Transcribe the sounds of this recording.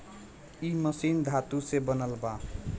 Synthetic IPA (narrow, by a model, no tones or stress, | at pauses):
imʌsind̪ʱat̪usebʌnəlba